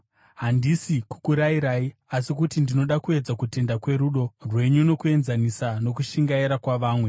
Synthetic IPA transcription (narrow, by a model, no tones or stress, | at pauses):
ɦandisiku̥kuɾaiɾaːiasikutindino̞ɗakue̞d͡zakute̞ndakwe̞ɾuːɗo̞rwe̞ɲuno̞kue̞nzanisano̞kuʃiŋɡaiɾakwaʋaːmwe̞